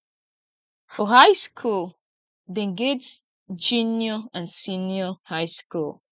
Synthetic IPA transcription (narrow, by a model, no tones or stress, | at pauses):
fɔhaɪskʰul | dɛ̃nɡɛts | d͡ʒĩnjɔãnsĩnjɔhaɪskul